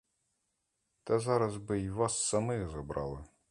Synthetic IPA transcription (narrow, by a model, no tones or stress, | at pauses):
t̪ɐzɑɾɐzbɪiʋɑsːɐmɪɣzɐbɾɑ̰lˠɪ